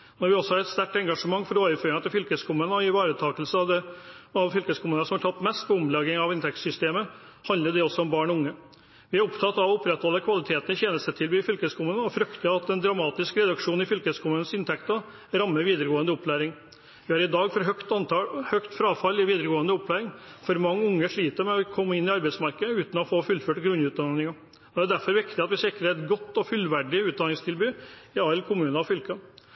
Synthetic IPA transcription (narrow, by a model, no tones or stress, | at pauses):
nɔɾʋɪɔsːɔhɑɾɛt̪st̪æʈːɛŋɡɑʂəmɑŋːfɔɾoːjəføɾɪŋɑt̪ɪfʏlkəskʰʊmʉnəɔɪʋɑːɾət̪ʰɑːkəlsəɑʋd̪ɛ | ɑʋfʏlkəskʰʊmənəsɔmɑʈʰɑp̚t̪ːmɛst̪pʰɔʊmlɑːɡɪŋɑʋɪnt̪ʰɛk̚t̪sʏst̪eːmə | hɑnd̪əɖɛɔsːɔɔmbɑːɳɔʊŋːə | ʋɪæɾɔpt̪ʰɑt̪ːɑʋɔpːɾɛt̪hɔləkʰʋɑlɪt̪ʰeːt̪ən̩əçeːnəst̪ət̪ʰɪlbyːfʏlkəskʰʊmʉːnəɔfɾʉkt̪əɑt̪ɛnd̪ɾɑmɑːt̪ɪskɾɛd̪ʉkʂuːnɪfʏlkəskʰʊmʉːn̩sɪnt̪ʰɛkt̪ə | ɾɑmːəɾʋiːd̪əɾəɡoːənd̪əɔplæːɾɪŋ | ʋɪɑɾɪd̪ɑːɡfɔɾɦœkt̪ɑnt̪ɑhœkt̪fɾɑːfɑlːɪʋiːd̪əɾəɡoːənd̪əʊpːlæːɾɪŋfɔɾmɑŋːəʊŋːəʂɭiːt̪əɾmɛɔkʰɔmːəɪnːɪɑɾbɛɪsmɑɾkəʉːt̪n̩ɔfoːfʉlːføːʈɡɾʉnːʉːt̪̚d̪ɑnːɪŋɑ | ɔd̪æɖ̪æɾfɔɾʋɪkt̪ɪɑt̪ʋɪsɪkːɾəɛt̪ɡɔt̪ːɔfʉlʋæɖɪʉːt̪̚d̪ɑnɪŋst̪ʰɪlbʉːɪɑlːkʰʊmʉːnɑɑfʏlkə